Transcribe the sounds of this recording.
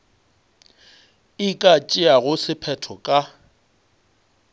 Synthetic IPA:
ɪkʼat͡ʃʼɪaɣʊsɪpʰɛtʰɔkʼa

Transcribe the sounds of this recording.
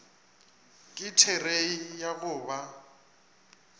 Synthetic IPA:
kʼɪtʰɛreijaɣʊːβa

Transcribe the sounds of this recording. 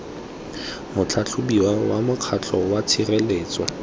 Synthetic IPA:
mʊt͡ɬʰat͡ɬʰʊbiwawamʊkʰat͡ɬʰɔwat͡sʰireleːt͡swɔ

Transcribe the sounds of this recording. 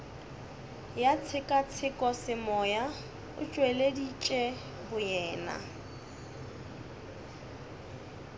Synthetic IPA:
jat͡sʰɪkʼat͡sʰɪkʼɔsɪmɔja | ʊ̰t͡ʃʼwɛledit͡ʃʼɛ | bʊjɛːna̰

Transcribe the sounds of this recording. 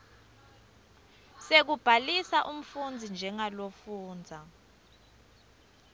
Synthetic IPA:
sek̬ub̥ʱalisaʔum̩fund͡zʱind͡ʒʱɛŋalofuːnd͡zʱa

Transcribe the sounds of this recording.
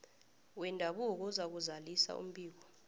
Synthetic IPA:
wɛndʱaɓuk̬uzak̬uzalisa̰ṵm̩ɓʱʼiːk̬ɔ

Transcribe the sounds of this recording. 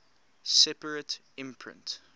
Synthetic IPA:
sɛpəɹət | ɪ̃mpʰɹɪ̰̃nt

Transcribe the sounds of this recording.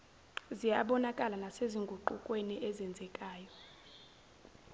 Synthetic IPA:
zijaɓɔnakʼalanaseziŋɡʱuǃukʼweniʔɛzɛnd͡zʱɛkʼaːjɔ

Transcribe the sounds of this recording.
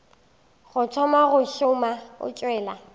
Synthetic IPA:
ɣʊt͡sʰɔmaɣʊʃʊmaʊ̰t͡ʃʼwɛːla̰

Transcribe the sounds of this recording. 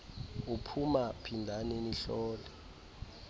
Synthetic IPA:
upʰumapʰindʱaneniɬɔːlɛ

